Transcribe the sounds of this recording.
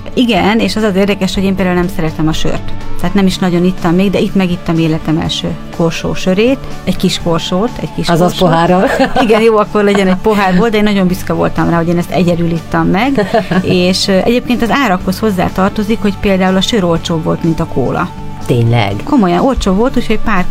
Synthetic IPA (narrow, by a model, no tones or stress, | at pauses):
iɡɛneːʃɒzɒzeːrd̪ɛkɛʃho̞ɟeːmpeld̪aulnɛmsɛɾɛt̪ɛmɒʃø̰rt̪t̪ːɛːt̪nɛmiʃnɒɟo̞nit̪ːɒmːeːɡd̪ɛit̪mɛɡit̪ːɒmeːlɛt̪ɛmɛ̰lʃø̰ːkʰo̞rʃo̰ːʃø̞ɾeːt̪ɛɟkiʃkorʃoːt̪ɛ̰ɟkiʃzɒspoɦaːɾoliɡɛnjoːɒkːo̞rlɛnɟɛnɛɟ̚po̞ɦaːrboːld̪ɛeːnːɒɟo̞mbyskɒvo̞̰lt̪ɒmraːɦo̞ɟeːnɛst̪ɛɟɛd̪ylit̪ːɒmːɛɡeːʃɛ̰ɟeːpkeːnt̪ɒzaːɾɒkho̞sho̞zːa̰ːt̪ɒrt̪o̞zikho̞cpeːld̪aːulɒʃøɾo̞lt͡ʃoːvo̞lt̪mint̪ɒko̰ːlʔɒ̰ | t̪eːɲlɛ̰ɡko̞mo̞jɒno̞lt͡ʃoːvo̞lt̪uːcho̞ɟpaːr